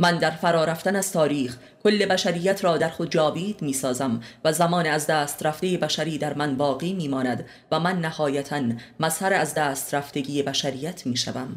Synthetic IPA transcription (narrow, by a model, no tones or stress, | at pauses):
mænd̪æɾfæɾɒːɾæft̪ænæz̥t̪ʰɒːɾiːx | kʰo̞lːe̞bæʃæɾijːæt̪ʰɾɒːd̪æɾxo̞d̪̚d͡ʒɒːviːd̪miːsɒːzæmvæzæmɒːneæzd̪æːst̪ɾæft̪e̞je̞bæʃæɾiːd̪æɾmænbɒːɣiːmiːmɒːnæd̪ | væmænːæhɒːjæt̪ʰænmæzhæɾeæzd̪æːst̪ɾæft̪e̞ɟiːjebæʃæɾijːæt̪ʰmiːʃæ̰væm